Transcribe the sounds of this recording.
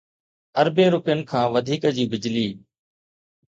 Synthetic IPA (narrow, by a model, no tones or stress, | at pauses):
əɾbẽːɾʊpɪjənɪ̆kʰãːʋəd̪ʱiːkəd͡ʑiːbɪd͡ʑliː